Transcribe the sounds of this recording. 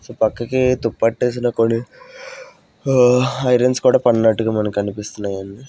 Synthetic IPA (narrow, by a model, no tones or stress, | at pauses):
soːpɐkːɐkit̪upːɐʈːeːs̬inɐkonːi | ɐjɾenskuːɽaːpɐnɐnɐʈːuɡaːmɐnɐmkiɐnipist̪unːaːjɐnːi